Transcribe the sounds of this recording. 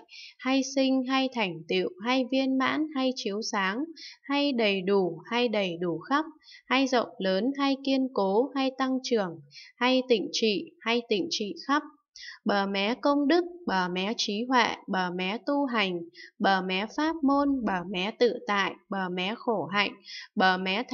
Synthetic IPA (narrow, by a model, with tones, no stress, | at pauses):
ha˧jsï˧ŋ̟ɦa˧jt̪ʰa˨˩jŋ̟t̪ḭ˧˨ə˨wɦa˧jvi˧ənma̰ː˧˥nha˧jt͡ɕi˨˦əwsaː˨˦ŋha˧jɗə˨˩jɗu˧˩ha˧jɗə˨˩jɗu˧˩xa˦˥p̚ha˧jzə̰˧˨wŋ͡mləː˨˦nɦa˧jki˧ənko˨˦ha˧jt̪a˧ŋt͡ɕɨ˨˩əŋha˧jt̪ḭ̈˧˨ŋ̟t͡ɕḭ˧˨ha˧jt̪ḭ̈˧˨ŋ̟t͡ɕḭ˧˨xa˦˥p̚ | ɓəː˧˩mɛ˨˦kə˧wŋ͡mɗɨ˦˥k̚ɓəː˧˩mɛ˨˦t͡ɕi˨˦hwɛ̰˧˨ɓəː˧˩mɛ˨˦t̪u˧ɦa˨˩jŋ̟ɓəː˧˩mɛ˨˦faː˦˥p̚mo˧nɓəː˧˩mɛ˨˦t̪ɨ̰˧˨t̪a̰ː˧˨jɓəː˧˩mɛ˨˦xo˧˩ɦa̰˧˨jŋ̟ɓəː˧˩mɛ˨˦